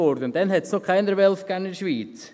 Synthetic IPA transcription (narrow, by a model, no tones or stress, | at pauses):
oɾd̪ənd̥̪ɛnhɛt̪snoχkʰaɪnəɾʋɛlfɡ̥anɪʃʋiːt